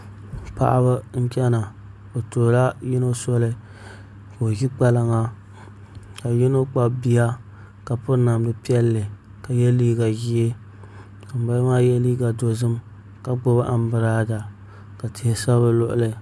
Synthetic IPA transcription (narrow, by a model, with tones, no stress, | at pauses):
pa̰˨ʔa˦βa˦n̩˦t͡ʃɛ˦na˨ | o˨toː˨la˦jɪ˦no˦sɔ˦lɨ˦ | ko˨o˨ɡi˦k͡pa˦la˦ŋa˦ | ka˨ji˦no˦k͡pa˦bi˦ja˦ | ka˨pʊ˦na˨mdɨ˨pi˦ɛ˦lːɨ˨ | ka˨jɛ˦liː˦ɡa˨ʒi˦e˦ | ka˨m˨ba˦maː˦jɛ˦liː˦ɡa˨do˦zɨ˦m | ka˨ɡ͡bʊ˦ba˦ʔa˨m˦bɨ˨ɾaː˦da˨ | ka˨tɪ˨hɪ˨sa˦βɨ˦lʊ˦ʔʊ̰˦lɨ˨